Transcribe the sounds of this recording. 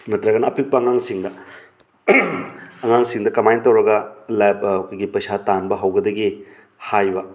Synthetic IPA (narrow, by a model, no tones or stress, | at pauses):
nɐtɾɐɡɐnɐːpʰik̚pɐŋaŋsiŋdɐ | ɐŋaŋsiŋdɐkɐmajntːɐwɾɐɡɐlabkojɡipɐjsatanbɐɦɐwɡɐdɐɡi | hajbɐ